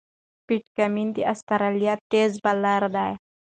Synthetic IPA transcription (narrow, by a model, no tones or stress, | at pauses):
piʈkɐmint̪iʔɐst̪ɐɾɐlijat̪ːeːzbɐlːaɾd̪aːja